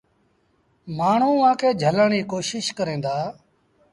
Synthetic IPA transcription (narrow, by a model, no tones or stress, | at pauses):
maːɳ̤ũːʋãːkʰeːd͡ʒʱəlaːɳiːkoːʃɪʃkəɾẽːd̪aː